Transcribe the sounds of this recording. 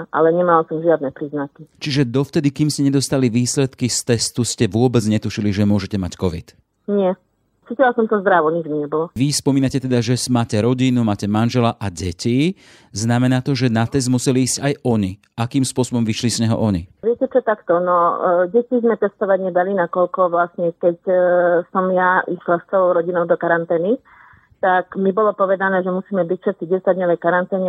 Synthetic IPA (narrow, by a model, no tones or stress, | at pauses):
ʔa̰lɛɲɛmalasɔmʒɪad̪̚nɛpɾiznakit͡ʃiʒɛd̪ɔft̪ɛd̪ikiːmscɛɲɛd̪ɔst̪aliʋiːslɛt̪kist̪ɛst̪uscɛʋʊɔbɛd͡zɲɛt̪uʃiliʒɛmʊɔʒɛcɛmackɔʋḭt̪ | ɲɪɛ | t͡siːcilasɔmt̪ɔzd̪ɾaʋɔɲid͡ʒmiɲɛbɔlɔʋispɔmiːnacɛt̪ɛd̪aʒɛsmaːcɛɾɔɟinumaːcɛmanʒɛlaʔaɟɛci | znamɛnaːt̪ɔʒɛnat̪ɛzmusɛliiːscajɔɲi | akiːmspʊɔsɔbɔmʋiʃlismɛɦɔ̰ʔɔɲḭʋɪɛcɛt͡ʃɔt̪akt̪ɔnɔɟɛcizmɛt̪ɛst̪ɔʋaɟɲɛd̪alinakɔʎkɔʋlasɲɛkɛcsɔmjaʔiʃlast͡sɛlɔʊɾɔɟinɔʊd̪ɔkaɾant̪ɛːni | t̪akmibɔlɔpɔʋɛd̪anɛːʒɛmusiːmɛbicfʃɛt̪̚t͡siɟɛsad̪ɲɔʋɛjkaɾant̪ɛːɲɛ